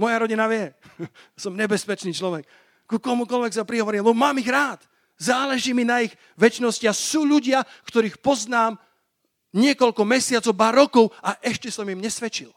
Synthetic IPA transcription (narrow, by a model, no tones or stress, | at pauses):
mɔjaɾɔɟinaʋɪɛasɔmɲɛbɛspɛt͡ʃniːt͡ʃlɔʋɛkː | ukɔmukɔlʋɛksapɾiɦɔʋɔɾiːmlɛbɔmaːmiɣɾaːt̪ | zaːlɛʒiːminaiɣ | ʋɛt͡ʃnɔsciasuːʎuɟɪakt̪ɔɾiːxpɔznaːm | ɲɪɛkɔʎkɔmɛsɪat͡sɔʊbaɾɔkɔʊaʔɛʃcɛsɔmimɲɛsʋɛt͡ʃil